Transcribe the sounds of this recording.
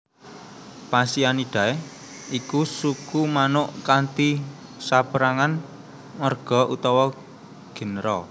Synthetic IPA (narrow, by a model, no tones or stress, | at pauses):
pasianiɖ̥a̤e | ikusukumanʊʔkant̪i | sapəɾaŋan | ŋərɡ̥ɔ̤ʔut̪ɔwɔ | ɡ̥ə̤nɾɔ